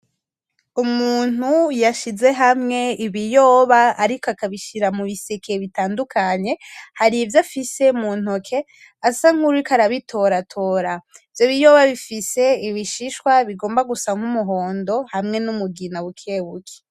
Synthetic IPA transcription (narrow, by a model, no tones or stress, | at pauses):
umuːn̥hujaʃize̞ɦamŋe̞iβijo̞ːβaːɾikoakaβiʃiɾamuβisekʰe̞βitaːndukʰaɲe̞haɾivjafise̞muːn̥okʰe̞ | asaŋ̥uɾikaɾaβitʰo̞ɾatʰo̞ɾa | vjoβijo̞ːβaβifise̞iβiʃiʃkwaβiɡo̞ːmbaɡusaŋ̥humuɦo̞ːndo̞hamŋe̞numuɡinawukʰewukʰe̥